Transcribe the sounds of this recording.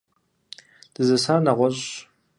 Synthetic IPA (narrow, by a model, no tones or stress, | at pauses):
d̥ɨzɐsaːnɐʁʷɔɕ